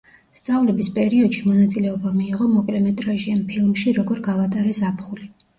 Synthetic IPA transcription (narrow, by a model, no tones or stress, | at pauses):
st̪sʼavlɛbispʼɛɾiɔd̪ʃimɔnat̪sʼilɛɔbamiːʁɔmɔkʼlɛmɛt̪ʼɾaʒianpʰilˠmʃiɾɔɡɔɾɡavat̪ʼaɾɛsapʰχuli